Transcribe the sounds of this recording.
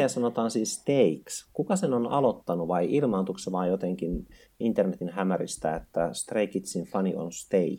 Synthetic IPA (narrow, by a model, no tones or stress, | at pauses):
ɑsɑnot̪ɑːnsiːst̪eikskukɑsenonɑlot̪ːɑnuʋɑiʔilmɑːnt̪ukseʋɑːjjot̪eŋkin | int̪ernet̪inhæmærist̪æ̰et̪ːæst̪reikit̪sinfɑnio̰nst̪eik